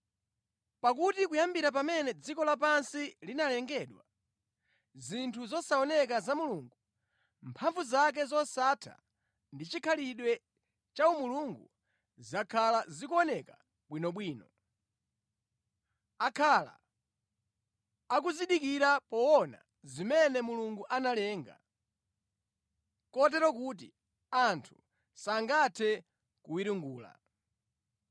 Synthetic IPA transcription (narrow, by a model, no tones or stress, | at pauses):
pak̬utikujambiɾap̬amɛnɛd͡zikɔlap̬ansilinalɛŋɡɛɗwa | zintʰuzɔsaɔnɛk̬azamuluŋɡu | mpʰaɱvuzak̬ɛzɔsatʰa̰ | ndit͡ʃikʰaliɗwɛ | t͡ʃaumuluŋɡṵ | zakʰalazikuɔnɛka | ɓwinɔɓwiːnɔ | akʰala̰ | kuziɗikiɾapɔwɔna̰ | zimɛnɛmuluŋɡuʔanalɛːŋɡa̰ | kɔt̬ɛɾɔk̬ut̬ḭ | antʰu̥ | saŋɡatʰɛ | kuwiɾuŋɡuːla̰